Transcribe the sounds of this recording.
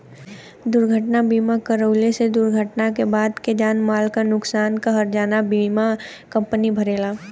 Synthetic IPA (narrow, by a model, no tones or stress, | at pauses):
d̪ʊɾɡʱəʈnabiːmakəɾəːlesed̪ʊɾɡʱəʈnakebaːd̪ked͡ʒaːnmaːlkanʊksaːnkaɦɐɾd͡ʒaːnabiːma | kɐ̃mpənibʱɐɾeːlaː